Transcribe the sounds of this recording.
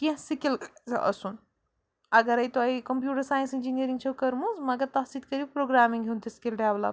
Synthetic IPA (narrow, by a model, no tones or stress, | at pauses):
kĩsikilzʔɐ̰sun | ɐɡɐɾɐjt̪oɐjkɐmpjuːʈɐɾsaːjnsind͡ʒinijəɾiŋɡt͡ʃʰɐwkɐɾmuzmɐɡɐɾt̪ɐɦsiːd̪kɐɾibpɾoːɡɾaːmiŋɡɦʲunt̪ʰisi̥kilɖaːbla̰ː